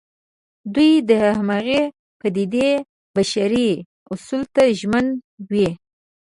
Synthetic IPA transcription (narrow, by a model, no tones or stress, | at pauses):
d̪ujd̪əhahmaɣe | pad̪id̪e | baʃaɾi | ʊsult̪aʒmənwi